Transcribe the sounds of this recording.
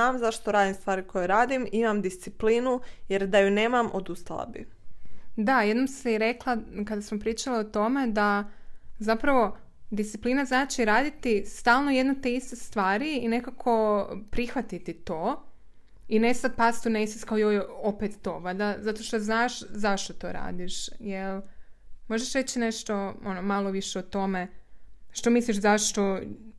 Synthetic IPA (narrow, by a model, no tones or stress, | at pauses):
aːmzaʃt̪oɾaːd̪imst̪ʋaːɾikʰojeɾaːd̪imimamd̪ist̪sipliːnujeɾd̪ajuneːmamod̪ust̪alˠa̰bḭ | d̪ajed̪nomsiɾe̞klˠakad̪asmopɾiːt͡ʃalaot̪o̞me̞d̪a | zapɾaʋo̞ | d̪ist̪siplˠinaznaːt͡ʃiɾaːd̪it̪ist̪aːlˠno̞jed̪not̪eist̪est̪ʋaːɾiine̞kakʰo̞pɾixʋat̪it̪it̪oː | inest̪at̪̚past̪unesiskaojojopet̪ːoʋad̪azat̪o̞ʃt̪oznaːʃzaʃt̪o̞t̪o̰ːɾa̰ːd̪iʃjelmo̞ʒeʃɾet͡ɕineʃt̪o̞o̞nomaloʋiʃeot̪o̞me̞ʃt̪o̞misliʃzaʃt̪o̞